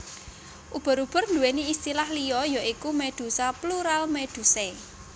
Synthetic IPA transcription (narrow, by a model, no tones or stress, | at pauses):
ʔub̥ɔ̤ɾub̥ɔ̤rnd̪ṳweniist̪ilahlijɔjɔʔikumed̪̥ṳsapluɾalmed̪̥ṳse